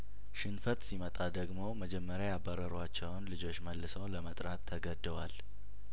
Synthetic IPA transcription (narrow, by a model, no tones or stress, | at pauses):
ʃɨnfət̪ʼsimət̪ʼad̪əɡmo̞məd͡ʒɛmːəɾjajabːəɾəɾwat͡ʃːɛwnlɨd͡ʒo̞t͡ʃːməlːɨsəwləmət̪ʼɾat̪ʰːəɡəd̪ɨwa̰l